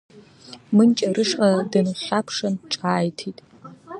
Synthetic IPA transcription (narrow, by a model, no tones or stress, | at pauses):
mɨnt͡ʃʼɐrɨʂqʼɐdɐnuɬapʰʂɐnʈ͡ʂʼaːjtʰitʼ